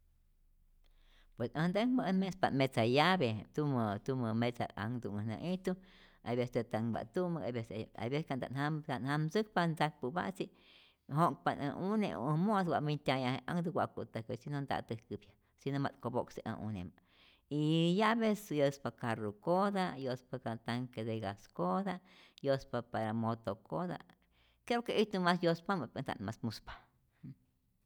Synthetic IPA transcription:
pwesə̃nd̪aŋməəmespamet͡sajabet̪umət̪uməmet͡saa̰ŋd̪uŋənã̰ʔit̪u | ajbest̪et̪aŋba̰ʔt̪uməkabesa̰jbeskand̪a̰nhamkanhamsɨk̚pand͡zak̚pɨba̰ʔt͡siʔ | ɦok̚panə̰̃ʔuneʔṵʔə̃mos̬wʷaʔmint̪ʲajãhẽʔaŋd̪uɡʷa̰ʔkut̪akəsinond̪a̰ʔt̪əhkɨbja | sinoma̰t̪koboksiʔã̰ʔṵnema | ijabesjəspakaɾukod̪ajospakat̪aŋked̪eɡaskod̪a | jospapaɾamot̪okod̪a̰ | kepokeʔit̪umasjospamapand̪a̰nmasmuspḁ

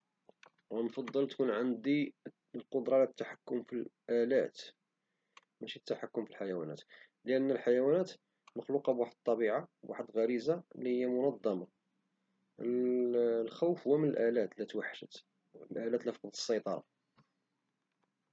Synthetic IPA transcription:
nfɑd̪ˤːəlt̪kunʕənd̪i | lqod̪ɾˤɑlæt̪ːaħḁkːʊmfilʔælæ̰t̪ | mæʃit̪ːaħakːʊmfilħajæwæ̰næ̰t̪ | lʔənːəlħajæwænæt̪ | məxluqɑbwaħəd̪̚t̪ˤːɑbiʕabwaħəd̪ɣæɾizalihəjːamʊnɑd̪ˤːɑmɑ | lxæwfhʊwæmənəlʔælæt̪læt̪waħːaʃət̪ | lʔælæt̪læfɑ̥qd̪ə̥sˤːɑjt̪ˤɑɾˤɑ̰

